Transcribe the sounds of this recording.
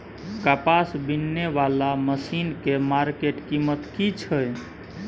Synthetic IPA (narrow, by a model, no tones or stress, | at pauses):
kapasbinːeʋalaməsinkemaɾkeʈkimət̪kit͡ʃʰəj